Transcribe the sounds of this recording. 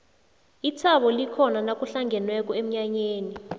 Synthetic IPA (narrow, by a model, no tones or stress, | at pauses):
it͡sʰaɓɔlikʰɔnanak̬ʼuɬaŋɡʱɛnwɛk̬ʼɔem̩ɲaɲeːni